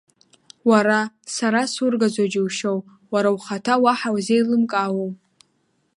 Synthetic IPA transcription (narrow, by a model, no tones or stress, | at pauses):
waɾa | saɾasurɡazʷad͡ʒiwʃow | waɾawχatʰawaħawzejlɨmkʼaːwow